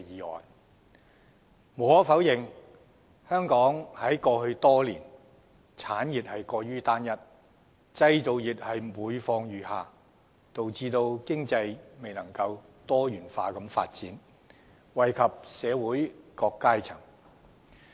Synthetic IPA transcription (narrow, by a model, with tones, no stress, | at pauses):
jiː˨˧ɔ̰ː˨n | mɔ˨˧˥fɐ˨˥wjɪ˨ŋ | hœː˥ŋkɔː˨˥ŋhɐ˨˥jkɔː˧hɵ˧ɥt̪ɔː˥liː˨˩n | t͡sʰaː˨˥nji˨t̚hɐ˨jkɔː˧ɥyː˥t̪aː˥njɐ˥t̚ | t͡sɐ˧jt̪o˨wjiː˨t̚hɐ˨jmuː˨˧jfɔː˧ŋjyː˨˩haː˨˧ | t̪o˨wt͡siː˧t̪o˧wkɪ˥ŋt͡sɐ˧jme˨jnɐ˨˩ŋkɐ˧wt̪ɔː˥jyː˨˩nfaː˧kɐ˨˧mfa̰ː˧t̚t͡siː˨˥n | wɐ˨jkʰɐ˨p̚sɛː˨˧wuː˨˥jkɔː˧kːaː˥jt͡sʰɐ˨˩ŋ